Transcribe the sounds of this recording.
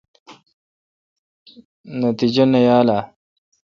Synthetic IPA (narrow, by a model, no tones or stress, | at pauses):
nɐt̪id͡ʑɐnɐjaːlaː